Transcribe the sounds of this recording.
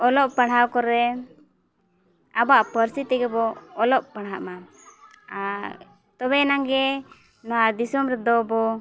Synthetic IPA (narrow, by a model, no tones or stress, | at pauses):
ɔlɔʔpaɽawkɔɾɛ | abaʔpəɾsit̪ɛɡɛbɔːlɔʔ̚paɽɦaʔma | a | t̪ɔbɛnaŋɡɛ | nɔwad̪isɔmɾɛd̪ɔbɔ